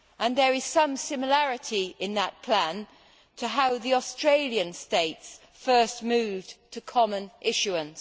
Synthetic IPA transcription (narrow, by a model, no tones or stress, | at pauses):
ʔə̃nðə˞ɪz̥sʌ̃msɪ̃məlæɹɨɾiɪ̃nðət̚pʰl̥æ̃n | tʰəɦaʊðiɔstɹ̥eɪlˠjɨ̃nsteɪts | fɜˑ˞stmʉːvtʰəkʰɑmə̃nʔɪʃʉə̃ns